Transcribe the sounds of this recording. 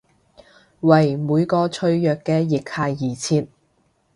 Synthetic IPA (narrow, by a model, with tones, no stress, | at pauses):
wɐ˨˩jmuː˨˧jkɔː˧t͡ʃʰɵ˧ɥjœː˨kːɛː˧jɪ˨k̚haː˧jːiː˨˩t͡sʰiː˧t̚